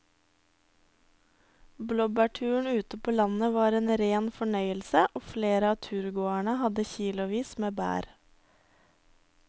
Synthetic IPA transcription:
blɔbæʈʰʉːəɳʉːt̪əpʰoːlɑnəʋɑːɾeːnɾeːnfɔɳœʏəlsəʔoːfleːɾəɑːt̪ʰʉːɾɡoːæɳəhɑd̪əçiːlʊʋiːsmeːbæ̰ːɾ

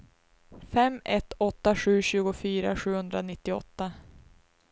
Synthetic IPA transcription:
fɛmɛt̪ːɔt̪ːaɧʉ̟ːɕʉ̟ːɡʊfyːɾa̰ɧʉ̟ːhɵnd̪ɾanɪt̪ːɪɔ̰t̪ːa

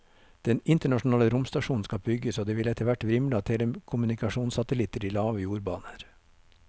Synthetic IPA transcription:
d̪̥ɛnɪnt̪əɳɑʂn̩ɑːləɾʊmst̪ɑʃuːn̩skɑbʏɡəsoːd̪eːʋɪlɛt̪əʋæʈʋɾɪmlɪɑt̪ʰɛd̪ɛmkʰʊmʉnɪkɑʃuːnsɑt̪əlɪt̪əɾiːlɑːʋəjuːɾbɑːnəɾ

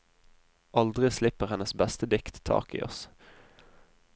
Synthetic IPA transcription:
ʔɑld̪ʁɪslɪpəʁhɛnəsbɛst̪əd̪ɪkt̪t̪ʰɑ̰ːkḭːʔɔ̰s

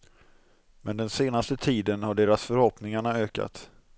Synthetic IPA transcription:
mɛnd̪ɛnseːnast̪ət̪ʰiːd̪ənhaɖeːɾasfœɾhɔpnɪŋaɳaøːka̰t̪

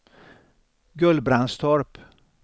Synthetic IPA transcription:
ɡɵlbɾanst̪ʰɔɾp

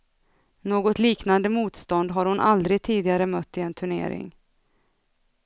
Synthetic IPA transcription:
noːɡɔt̪liːknand̪əmuːt̪st̪ɔnd̪ɦaɾhʊnʔa̰ld̪ɾɪɡ̚t̪ʰiːd̪ɪɡaɾəmœt̪ːɪɛnt̪ʰɵɳḛːɾɪ̰ŋ

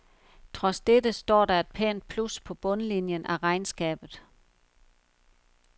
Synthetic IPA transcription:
t͡sʰʁɒ̽sd̥edəsd̥ɒ̰ːdɑ̈e̝d̥̚pʰɛ̰ːnd̥̚pʰluspʰɒ̽b̥ɔ̽nəlinjənʔæʁɑ̈ɪnsɡ̥ɛ̰ːb̥ð̩ˠ

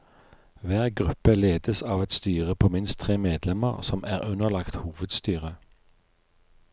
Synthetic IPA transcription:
ʋæːʁɡʁʉpəleːd̪əsɑːʋɛt̪st̪yːʁəpʰoːmɪnst̪ʰʁeːmeːd̪lɛməʁsɔmʔæːʁʉnəlɑkt̪huːʋəd̪st̪yːʁə

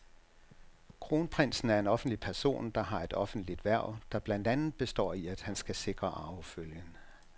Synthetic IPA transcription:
kʰʁo̝ːnpʰʁen̰sn̩æɐe̝nɒ̽fn̩d̥lipʰæɐso̝̰ːnd̥ɑ̈ɦɑ̈e̝d̥ɒ̽fn̩d̥lid̥ʋæɐ̰d̥ɑ̈b̥lænd̥ænð̩ˠb̥e̝sd̥ɒ̰ːiæd̥hænsɡ̥æse̝ɡ̥ʁɐʔɑ̈ʊføljən

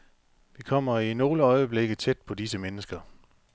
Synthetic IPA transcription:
ʋikʰɒ̽m̰ɐino̝ːləɒ̽ɪəb̥le̝ɡ̥əð̩ˠt͡sʰed̥̚pʰɒ̽disəmenəsɡ̥ɐ

